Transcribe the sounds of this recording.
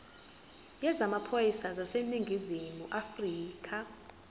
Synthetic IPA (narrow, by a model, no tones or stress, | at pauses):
jɛzamapʰojisazaseniŋɡʱizimuʔafriːkʰa